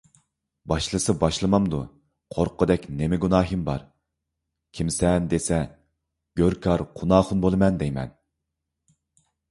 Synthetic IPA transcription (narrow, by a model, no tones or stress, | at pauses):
bɑʃlˠɨsɨbɑʃlˠɨmɑmd̪u | qʰoɾqʰʊd̪ɛkʲnemɪɡunɑːɦɨmbɑ̰ɾ | kʲʰimsɛnd̪esɛ | ɡ̥ʲøɾkʰɑɾqʰunɑːχʊnbolˠɨmɛnd̪ɛjmɛ̰n